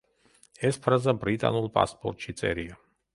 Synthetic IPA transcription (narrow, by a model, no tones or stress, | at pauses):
ɛspʰɾazabɾit̪ʼa̰nulˠpʼa̰spʼɔɾt̪ʼʃit̪sʼɛ̰ɾia